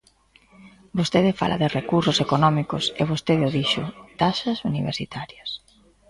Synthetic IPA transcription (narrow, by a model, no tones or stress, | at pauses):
bost̪eðɪfa̰lʔɐ̰ðɪrekusʊsekonɔmikʊseβ̞ost̪eðɪoðiʃʊ̰t̪aʃɐsuniβ̞ḛɾsit̪aɾjɐs